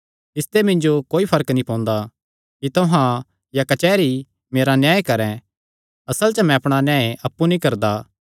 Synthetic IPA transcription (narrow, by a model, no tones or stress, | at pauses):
ɪst̪emɪ̃ɲd͡ʒokoːipʰɐɾəknĩpɔ̃ːnd̪a | kit̪oɦã | jakɐt͡ʃɛːɾi | meːɾanjaːekɐɾɛ̃ | ɐsəlt͡ʃɐmɛ̃ɐpɽ̃anjãːeʔɐpːunikɐɾd̪a